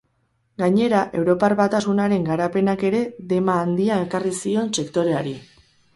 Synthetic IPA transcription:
ɡaɲe̞ɾaʔe̞wɾo̞parβat̪asunaɾe̞ŋɡaɾape̞nake̞ɾe̞ðe̞maːnd̪iae̞karisio̞nse̞kt̪o̞ɾe̞aɾi

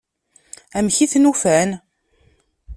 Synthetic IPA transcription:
æmçiθnufæn

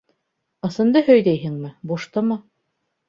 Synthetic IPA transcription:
ɤ̆sɤ̆nd̪ɤhɵjd̪æjɦɘŋmɘbuʃt̪ɤmɤ

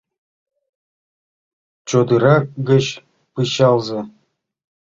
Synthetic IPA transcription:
t͡ɕod̪ɯɾɑk̚ɡɘ̆ɕ | pɯɕɑlˠzɤ̆

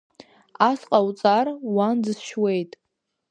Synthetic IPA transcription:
asqʼawt͡sʼarwandɨsʃwe̞jtʼ

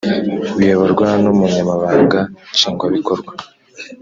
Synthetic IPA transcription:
βijeβoɾɡwanumuɲamaβaːŋɡat͡ʃiːŋɡwaβikoɾɡwa

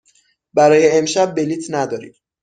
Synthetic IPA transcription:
bæɾɒːjeemʃæb̚ːe̞liːt̪ʰnæd̪ɒːɾḭːm

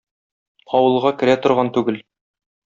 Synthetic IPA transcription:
ɒwɤ̆lˠʁɑkɘ̆ɾæt̪ŏɾʁɑnt̪ʉɡɘl

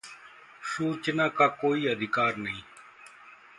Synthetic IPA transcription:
suːt͡ʃnãːkaːkoːiːəd̪ʱɪkaːɾnəɦĩː

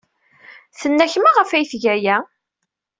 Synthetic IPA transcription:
θənːæçmaʁəfæjθʝæjæ

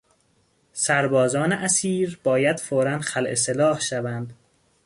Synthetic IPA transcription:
sæɾbɒːzɒːneʔæsiːɾb̥ɒːjæd̪̥foːɾænxælʔeselɒːhʃævænd̪

